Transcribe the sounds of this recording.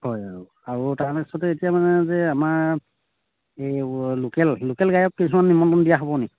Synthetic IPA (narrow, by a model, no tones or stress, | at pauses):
hɔjaɹu | aɹutaɹanɛisɔtɛetijamanɛzɛamaɹ | ejlokɛllokɛlɡajɔkːisumanːimɔntɔndijaɦɔbɔneki